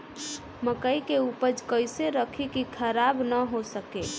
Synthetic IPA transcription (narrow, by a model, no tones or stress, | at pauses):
məkəikeupəd͡ʒkəɪseɾəkʰikikʰəɾabnəɦosəke